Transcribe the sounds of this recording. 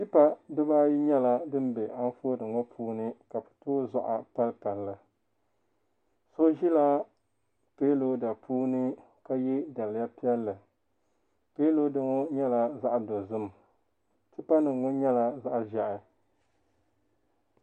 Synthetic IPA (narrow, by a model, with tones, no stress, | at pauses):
ti˦pa˦dɨ˦ba˦ji˦ɲɛ˦la˦dɨ˦m˦be˨a˦n˦foː˦dɨ˨ŋo˦pʰuː˦nɨ˦ka˨bɨ̥˨toː˦za˦ʔa̰˨pa˦lpa˨lːɨ˨ | so˦ʒi˦la˦ | peː˦lo˦da˨pʰuː˦nɨ˦ | ka˦ji˦da˨lja˦pi˦ɛ˦lːɨ˨ | peː˦lo˦dɨ˦ŋo˦ɲɛ˦la˨za˦ʔdo˨zɨ˦m˨ | ti˦pa˦nɨ˨ŋ˨ŋo˦ɲɛ˦la˦za˦ʔʒa˨ʔɪ˨